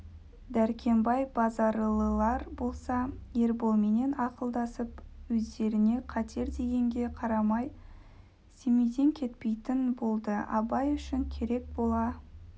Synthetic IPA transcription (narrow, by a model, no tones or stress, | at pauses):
d̪æɾkʲʰe̞mbɑjbɑzɑɾlˠəlˠɑɾbo̞lˠsɑje̞ɾbo̞lˠme̞ne̞nɑqəlˠd̪ɑsəpwɵzd̪e̞ɾɪne̞qʰɑt̪ʰe̞ɾd̪e̞ɡʲe̞ŋɡʲe̞qʰɑɾɑmɑj | se̞mejd̪e̞ŋkʲʰe̞t̪pe̞jt̪ɪnbo̞lˠd̪əɑ̰bɑjʏʃɪŋkʲʰe̞ɾe̞k̚bo̞lˠɑ